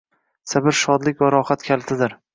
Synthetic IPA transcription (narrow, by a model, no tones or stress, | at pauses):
sabɪɾʃɒd̪lɪkʲvaɾɒχat̪kʲʰalt̪ʰɪd̪ɪɾ